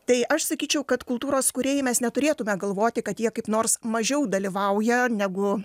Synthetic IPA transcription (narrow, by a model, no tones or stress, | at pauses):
t̪ɐɪʔɐʃsɐkʲiːt͡ʃʲɛʊkɐt̪kʊlˠt̪uːɾoːskʊɾʲeːjɪmʲɛsnʲɛt̪ʊɾʲeːt̪ʊmʲɛɡɐlˠʋoːt̪ʲɪkɐt̪jiɛkɐɪpnoːrsmɐʒʲɛʊd̪ɐlʲiʋɐʊjɛnʲæɡʊ